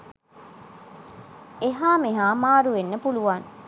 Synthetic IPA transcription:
eɦaːmeɦaːmaːɾuʋenːəpuluʋaŋ

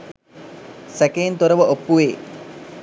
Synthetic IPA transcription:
sækent̪oɾəʋəʔopːuʋeː

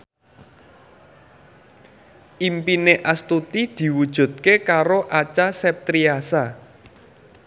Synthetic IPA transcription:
ʔimpineʔast̪ut̪id̪̥i̤wud̥ʒ̥ṳt̪̚kekaɾoʔat͡ʃasɛp̚t̪ɾiasa

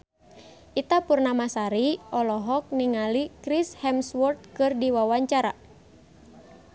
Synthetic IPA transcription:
ʔit̪apurnamasaɾiʔɔlɔɦɔk̚niŋalikɾishɛmswɔrt̪̚kɨrdiwawaɲt͡ʃaɾa̰

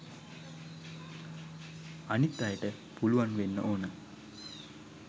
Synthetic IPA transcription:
anit̪ːajəʈə | puluʋanʋenːəʔoːnə

